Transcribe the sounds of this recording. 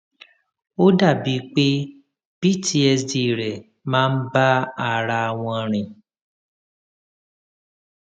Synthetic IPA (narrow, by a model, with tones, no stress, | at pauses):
o˦da˦˨bi˧˦k͡pe˦ | b̥i˦˨tʰi˧˦ɛ˧sdi˧˨ɾɛ˨ | mãː˦n̩˦ba˦a˨ɾa˧a˧w̃ɔ̃˧ɾ̃ĩ˧